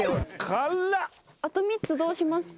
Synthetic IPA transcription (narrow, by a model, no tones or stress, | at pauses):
kʰalːa | at̪omʲitt͡sɨd̪o̞ːɕimasɨ̥